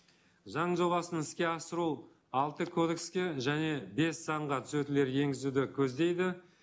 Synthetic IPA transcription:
ʒɑɴʒo̞lˠɑsənɪskʲe̞ɑsəɾu | ɑlˠt̪əkʰo̞d̪e̞kskʲe̞ʒæne̞be̞sːɑɴʁɑt̪ʰʏ̥sɵt̪ɪle̞ɾje̞ŋɡʲɪzud̪ɪkʲʰɵzd̪e̞jd̪ɪ

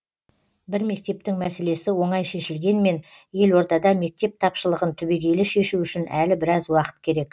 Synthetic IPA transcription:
bɪɾme̞k̚t̪e̞p̚t̪ɪŋmæse̞le̞sɪwo̞ɴɑjʃe̞ʃɪlɡʲe̞nme̞n | je̞lwo̞ɾt̪ɑd̪ɑme̞k̚t̪e̞p̚t̪ʰɑpʃəlˠəʁənt̪ʰʏbe̞ɡʲe̞jlɪʃe̞ʃuʏʃɪnʔæ̰lɪbɪɾɑzwɑqə̥t̪̚kʲʰe̞ɾe̞k

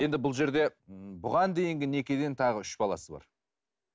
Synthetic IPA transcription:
je̞nd̪ɪbʊlˠʒe̞ɾd̪e̞bʊʁɑnd̪e̞jɪŋɡʲɪne̞kʲed̪e̞nt̪ʰɑʁəʏʃbɑlˠɑ̰səbɑ̰ɾ

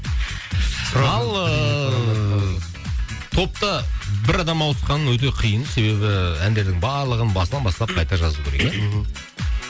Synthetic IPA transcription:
sɾɑlˠə | t̪ʰo̞p̚t̪əbɪɾɑd̪ɑmɑwəsqɑnːəwɵt̪̬e̞qʰijənse̞βe̞bɪænd̪e̞ɾd̪ɪŋbɑɾlˠəʁənbɑsənɑnbɑsˠɑp̚qʰɑjt̪ɑʒɑzuwkʲʰeɾek

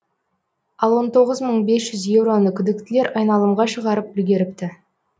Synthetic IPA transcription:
ɑlˠwo̞nt̪ʰo̞ʁəzməɴbe̞sʒ̥ʏzje̞wɾo̞nəkʲʰʏd̪ɪk̚t̪ɪleɾʔɑjnɑlˠəmʁɑʃəʁɑɾəp̚ʏlɡʲe̞ɾɪp̚t̪ɪ

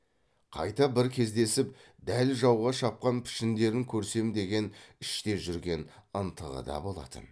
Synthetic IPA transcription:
qʰɑ̰jt̪ɑbɪɾkʲʰe̞zd̪e̞sɪp̚ | d̪ælʒɑwʁɑʃɑp̚qɑnpʰɪ̥ʃɪnd̪e̞ɾɪŋkʲʰɵɾse̞md̪e̞ɡʲe̞nɪʃt̪e̞ʒʏɾɡʲe̞nənt̪ʰəʁə̰d̪ɑ̰bo̞lˠɑ̰t̪ə̰n

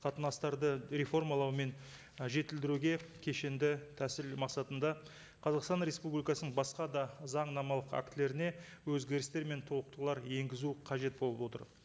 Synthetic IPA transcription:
qʰɑt̪ənɑst̪ɑɾd̪əɾefo̞rmɑlˠɑwme̞n | ʒe̞t̪ɪld̪ɪɾuɡʲe̞kʲʰe̞ʃend̪ɪt̪ʰæsɪlmɑqsɑt̪ənd̪ɑ | qʰɑzɑqst̪ɑnɾe̞spublijkɑsənəɴbɑsqɑd̪ɑzɑɴnɑmɑlˠəqæ̰kt̪le̞ɾɪne̞ | wɵzɡʲe̞ɾɪst̪e̞ɾme̞nt̪ʰo̞lˠəq̚t̪əlˠɑɾje̞ŋɡʲɪzuqʰɑʒe̞t̪̚bo̞lˠəbwo̞t̪ə̰ɾ

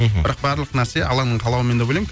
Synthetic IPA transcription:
bɪɾɑq̚bæɾlˠəqnæɾse̞ɑ̰lˠɑnəɴqʰɑlˠɑwəme̞nd̪ebolˠejk

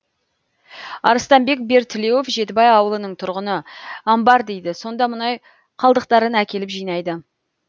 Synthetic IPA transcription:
ɑ̰ɾəst̪ɑmbe̞k̚be̞ɾt̪ʰːɪlejwofʒe̞t̪ɪbɑjɑwəlˠənəɴt̪ʰʊɾʁənəɑmbɑɾd̪e̞jd̪ɪso̞nd̪ɑmʊnɑj | qʰɑlˠd̪əq̚t̪ɑɾənækʲʰe̞lɪpʒijnɑjd̪ə

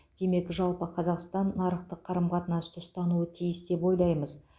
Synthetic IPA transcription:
d̪̥e̞me̞kʒɑlˠpəqʰɑzɑqst̪ɑnːɑɾəqt̪əqʰːɑɾəmqɑt̪ənɑst̪ʰʊst̪ɑnuət̪ʰijɪsd̪e̞po̞jlˠɑjməz

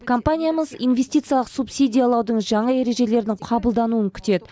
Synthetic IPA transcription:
kʰo̞mpanʲijaməzḭnvʲe̞sʲt̪ʲijt̪sɨjɑlˠəqsupsʲijd̪ʲijalˠɑwd̪əɴʒɑɴɑe̞ɾe̞ʒe̞le̞ɾd̪ɪŋqʰɑbəlˠd̪ɑnuəŋkʲʰʏ̥t̪e̞d̪ɪ

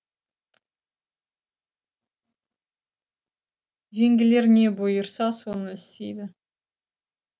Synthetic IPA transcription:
ʒe̞ŋɡʲɪle̞ɾne̞bujəɾsɑsonəɪst̪ḛjd̪ɪ

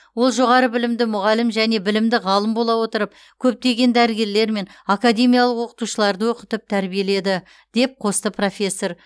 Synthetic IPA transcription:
wo̞lˠʒo̞ʁɑɾəbɪlɪmd̪ɪmʊʁɑlɪmʒæne̞bɪlɪmd̪ɪʁɑlˠəmbolˠɑwo̞t̪əɾəp | kʲʰɵp̚t̪e̞ɡʲe̞nd̪æɾɪɡʲe̞ɾle̞ɾme̞nakad̪ʲe̞mijalˠəqwo̞qə̥t̪uʃəlˠɑɾd̪əwoqət̪əp̚t̪ʰæɾbije̞le̞d̪ɪ | d̪̥e̞p̚qʰo̞st̪əpro̞fʲe̞sːo̞r

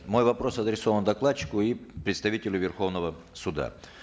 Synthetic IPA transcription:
mo̞jvɐpɾo̞sɐd̪ɾʲɪsovənd̪ɐklˠat͡ɕːɪ̥kʊipɾʲɪt̪st̪ɐvʲitʲɪlʲʊvʲɪrxo̞vnəvə | sʊd̪a̰

